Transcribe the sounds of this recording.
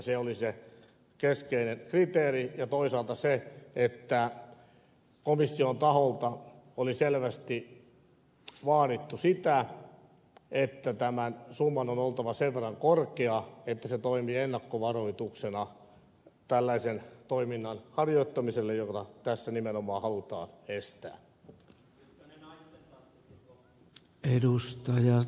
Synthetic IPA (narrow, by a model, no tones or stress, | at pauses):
seolise | keskeinenkrit̪eːrijɑt̪oisɑːlt̪ɑseet̪ːæ | komisːiont̪ɑholt̪ɑ | oliselʋæst̪i | ʋɑːɾit̪ːusit̪æ | et̪ːæt̪æmænsumːɑnonolt̪ɑʋɑseʋʋerːɑŋkorkeɑet̪ːæset̪oimienːɑkːoʋɑroit̪uksenɑ | t̪ælːæisent̪oiminːɑnhɑrjoit̪ːɑmiselːejot̪ɑt̪æsːænimenomɑːhɑlut̪ɑ̰ːnest̪æ̰ː | edust̪ɑjɑ